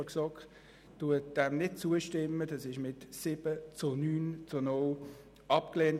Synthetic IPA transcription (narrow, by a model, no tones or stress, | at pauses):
ksɔk | d̥uət̚d̥ɛmnɪd̚t͡suəʃtɪmːədɑsɪʃmɪtsɪb̥ət͡sʊnyːnt͡sʊnol | ʔɑpkleːnt